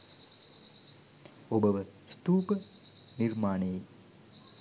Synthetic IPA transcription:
obəʋəst̪uːpə | nirmaːneje

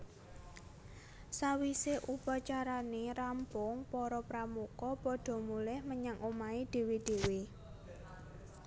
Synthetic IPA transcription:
sawiseʔupat͡ʃaɾaneɾampʊŋpɔɾɔpɾamukɔpɔɖ̪̥ɔ̤mulɪhməɲaŋomaed̪̥e̤wed̪̥e̤we

